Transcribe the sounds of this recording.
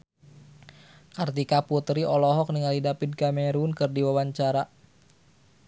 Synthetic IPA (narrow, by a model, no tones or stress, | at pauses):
kart̪ikaput̪ɾiʔɔlɔɦɔk̚niŋalidapid̚kamɛɾunkɨrdiwawaɲt͡ʃaɾa